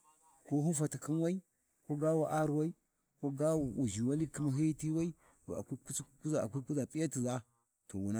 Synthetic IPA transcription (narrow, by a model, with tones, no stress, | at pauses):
ko˦ɦu˦fa˨ti˨ki˦nwa˦i˦ | ko˦ɡa˦wa˨ʔa˦ɾwa˦i˦ | ko˦ɡa˦wa˨u˨ʒi˨wa˦li˦ki˦ma˨ɦi˦ti˦wa˦i˦ | wa̰˨a̰˨kʷi˦ku˦t͡sku˦za˨a̰˨kʷi˦ku˦za˨pʼi˦ja˦ti˨za˦ | to˨wu˨na˦